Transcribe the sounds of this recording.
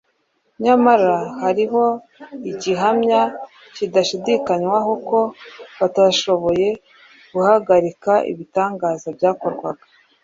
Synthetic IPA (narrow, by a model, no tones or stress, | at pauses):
ɲamaɾahaɾiɦo̞ | iɟiɦamɲa | cidaʃidikaɲwaɦoko̞βataʃo̞βo̞je̞ | ɡ̥uhaɡaɾikaʔḭβitaːŋɡaːzabjaːko̞ɾɡwaɡḁ